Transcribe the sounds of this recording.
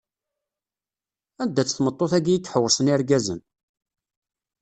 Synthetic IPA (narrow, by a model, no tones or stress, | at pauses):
ænd̪ːæt͡sːθmət̪ˤːoθæɡijət͡sːħəwːəɾsənɪɾɡæzə̰n